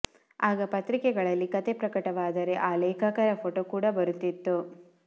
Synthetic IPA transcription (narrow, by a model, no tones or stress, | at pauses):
aːɡɐpɐt̪ɾikɛɡɐɭɐlːikɐt̪epɾɐkɐʈɐʋaːd̪ɐɾe̞ʔaːleːkɐkɐɾɐpʰoːʈoːkuːɽɐbɐɾut̪ːit̪ːu